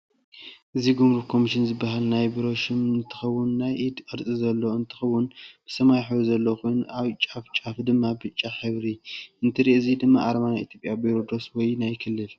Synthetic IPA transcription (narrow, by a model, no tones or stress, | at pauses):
ʔɨziɡumɾuβkʰo̞miʃɪnzɨbːaɦalnajbiɾo̞ʃɪmɨnt̪ʰɨ̥xɐwːʊnːajʔid̪ʔʼɐɾt͡sʼizɐlːo̞ɨnt̪ʰɨ̥xɐwːʊnb̥ɨ̥sɐmajħɨβzɐlːoxʰujnaβt͡ʃʼaft͡ʃʼafd̪ɨmːabɨt͡ʃʼːaħɨβɾiʔɨnt̪ʰiɾiʔɨzid̪ɨmːaʔaɾmanaḭt̪ʰjopʼjabiɾo̞d̪oswɔjnajkʰɨlːɨf